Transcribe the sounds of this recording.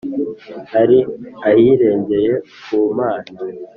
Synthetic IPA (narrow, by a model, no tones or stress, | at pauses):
haɾiahiːɾe̞ːɲɟe̞je̞ | kuːmaːna